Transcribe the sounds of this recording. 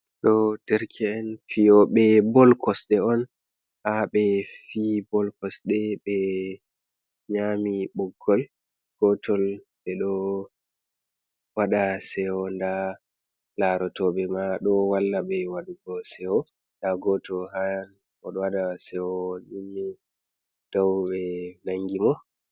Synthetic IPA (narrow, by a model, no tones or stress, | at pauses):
ɗɔtɛɾkʰɛːnfijɔɓɛbɔlkɔsɗɛɔn | haɓɛfibɔlkɔsɗɛɓɛ | ɲamiɓɔɡːɔl | ɡ̥ɔtɔl | ɓɛɗɔ | waɗasɛwɔnda | laɾɔtɔɓɛmaɗɔwalːaɓɛwaɗuɡɔsɛwɔ | ndaɡɔtɔɦan | ɔ̰ɗɔwaɗasɛwɔninːi | d̥awɓɛnaŋɡimɔ